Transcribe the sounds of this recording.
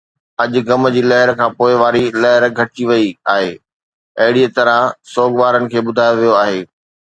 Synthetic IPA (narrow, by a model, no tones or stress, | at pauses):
ɐʄʊ̆ɡɐmd͡ʑiːlɐɦɪɾkʰãːpoːɪʋaːɾilɐɦɪɾɡʱɐʈiʋɐiaːɦeː | ɐɦɪɽiət̪ɐɾəsoːɡʋaːɾənɪ̆kʰeːɓʊd̪ʱaːjoʋijoaːɦeː